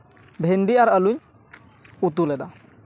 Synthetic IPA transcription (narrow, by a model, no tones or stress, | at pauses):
bʱɛnɖiaɾaluɲ | ut̪ulɛd̪a